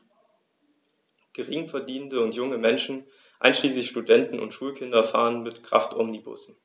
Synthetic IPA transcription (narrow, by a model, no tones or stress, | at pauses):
ɡ̥əʁɪŋfɛɐdiːnndəʊntjʊŋəmɛnʃn̩ | ʔa̰ɪnʃliːslɪçʃtudɛntn̩ʊ̰ntʃuːlkʰɪndɐfa̰ːənmɪtkʁ̥a̰ftʔɔmnibʊ̰sn̩